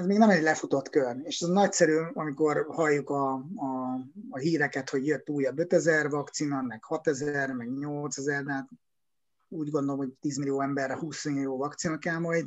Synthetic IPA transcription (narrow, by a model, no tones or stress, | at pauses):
ɛzmeːɡnɛmɛɟlɛfut̪o̞t̪køreːʃɛznɒcsɛɾyːɒmiko̞rhɒjːukɒː | ɦiːɾɛkɛt̪ho̞ɟjøt̪ːuːjɒbø̞t̪ɛzɛrvɒkt̪sinɒmɛkhɒt̪ɛzɛrmɛɡɲo̞lt̪sɛzɛrd̪ɛɦaːt̪ | uːɟɡo̞nd̪olomho̞ct̪iːzmilijoːɛmbɛrɛhuːsililjoːvɒkt̪sinɒkaːmoj